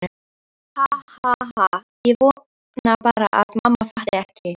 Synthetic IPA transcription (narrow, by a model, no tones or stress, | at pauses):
hahaɦa | jɛvɔː | napaːɾaʔa̰ðmamːafaht̪ɛhcɪ